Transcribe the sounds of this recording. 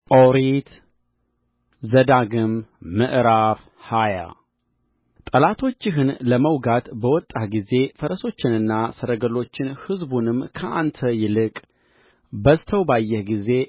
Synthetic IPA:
ʔowɾit̪ | zəd̪aɡɨmːɨʔɾaf | haja̰ | t̪ʼəlat̪ʰo̞t͡ʃːɪɦɨnləməwɡat̪bəwɔt̪ʼːahɡize̞fəɾəso̞t͡ʃːɪnɨnːasəɾəɡəlo̞t͡ʃːɪnhɨzbunɨmːkʰəʔant̪ʰəjɪlɨkʼ | bəst̪ʰəwbajːɛhɡize̞

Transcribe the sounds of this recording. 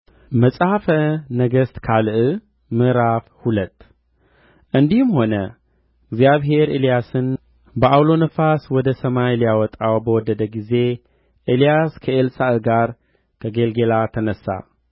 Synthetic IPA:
məsʼhafənəɡəst̪kʰalɨʔɨ | mɨʔɾafhulət̪ː | ʔɨnd̪ihmho̞nə | ɨɡzjaβɦe̞ɾʔilijasɨn | bəʔawlo̞nɨfaswɔd̪əsɐmajlijawɔt̪ʼawbəwɔd̪ːəd̪əɡize̞ | ʔilijaskʰəʔelsaʔɨɡaɾ | kʰəɡelɡelat̪ʰənəsːa̰

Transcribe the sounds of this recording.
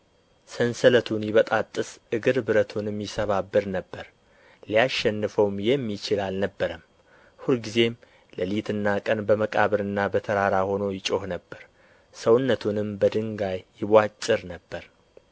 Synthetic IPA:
sənsələt̪ʰunjɪβət̪ʼat̪ʼːɨsʔɨɡɨɾbɨɾət̪ʰunɨmjɪsəβabːɨɾnəbːəɾ | lijaʃːɛnːɨfəwmjɛmːit͡ʃɪlalnəbːəɾəm | hulɡize̞m | ləlit̪ʰɨnːakʼənbəməkʼaβəɾɨnːabət̪ʰəɾaɾaho̞no̞jɪt͡ʃʼo̞hnəbːəɾ | səwʊnːət̪ʰunɨmbəd̪ɨŋɡajːɪβʷat͡ʃʼːɨɾnəbːəɾ

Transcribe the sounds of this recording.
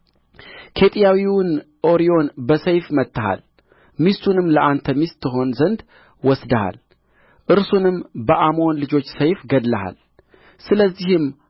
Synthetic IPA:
kʰe̞t̪ʼjawiwn | ʔo̞ɾio̞nbəsəjfmət̪ːəha̰l | mist̪ʰunɨmːləʔant̪ʰəmist̪ʰːɨɦo̞nzənd̪ | wɔsd̪əha̰l | ʔɨɾsunɨmbəʔamo̞nlɨd͡ʒo̞t͡ʃːsəjfɡəd̪ləha̰l | sɨləzːihɨm

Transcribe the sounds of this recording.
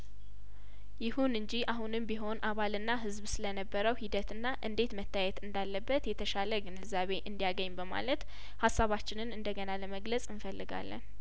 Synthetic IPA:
jɪhunɨɲd͡ʒiaɦunɨmbiɦo̞nʔaβalɨnːaɦɨzbsɨlənəbːəɾəwhid̪ət̪ɨnːaʔɨnd̪e̞t̪mət̪ʰːajɛt̪ɨnd̪alːəbːət̪jɛt̪ʰəʃaləɡɨnɨzaβe̞ʔɨnd̪ijaɡəɲːbəma̰lət̪ | hasːaβat͡ʃːɪnɨnɨnd̪əɡənaləməɡləsʼɨnfəlːɨɡa̰lːə̰n

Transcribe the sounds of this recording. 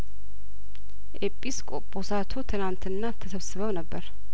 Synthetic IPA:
ʔepʼːiskʼopʼːosat̪ʰut̪ʰɨnant̪ʰɨnːat̪ʰːəsəβsɨβəwnəbːəɾ

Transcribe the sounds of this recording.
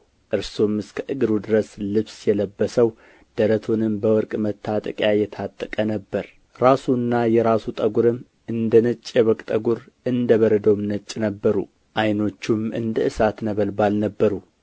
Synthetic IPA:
ʔɨɾsomɨskʰəʔɨɡɨɾud̪ɨɾəslɨβsjɛləbːəsəw | d̪̥əɾət̪ʰonɨmbəwɔɾkʼmət̪ʰːat̪ʼəkʼjajɛt̪ʰat̪ʼːəkʼənəbːəɾ | ɾasunːajɛɾasut̪ʼəɡuɾɨmː | ɨnd̪ənɨt͡ʃʼːjɛβɔkʼt̪ʼəɡuɾ | ʔɨnd̪əβəɾəd̪əwmnət͡ʃʼːnəbːəɾṵ | ʔajno̞t͡ʃːumɨ̰nd̪əʔɨsat̪nəβəlbalnəbːəɾu

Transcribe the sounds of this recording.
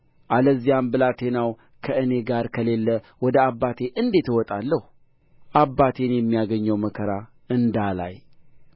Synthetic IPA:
ʔaləzːijambɨlat̪ʰe̞naw | kʰəɨne̞ɡaɾkʰəlelːə | wɔd̪əabːat̪ʰe̞ʔɨnd̪e̞t̪wɔt̪ʼalːəhu | ʔabːat̪ʰe̞njɛmːijaɡəɲːəwməkʰəɾa | ɨnd̪ala̰j

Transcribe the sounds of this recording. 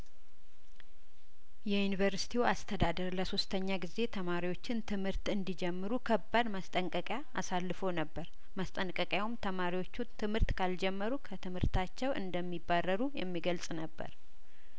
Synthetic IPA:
jɛjunivəɾsi̥t̪ʰiwuast̪ʰəd̪ad̪əɾləso̞st̪ʰəɲːaɡize̞t̪ʰəmaɾiwo̞t͡ʃːɪnt̪ʰɨmhɨɾt̪ɨnd̪id͡ʒɛmːɨɾukʰəbːad̪məst̪ʼəŋkʼəkʼjaːsalːɨfo̞nəbːəɾ | məst̪ʼənkʼəkʼjawumt̪ʰəmaɾiwo̞t͡ʃːut̪ʰɨmhɨɾt̪kʰald͡ʒɛmːəɾukʰət̪ʰɨmhɨɾt̪ʰat͡ʃːɛwʔɨ̰nd̪əmːibːarːəɾujɛ̰mːiɡəlsʼnəbːə̰ɾ

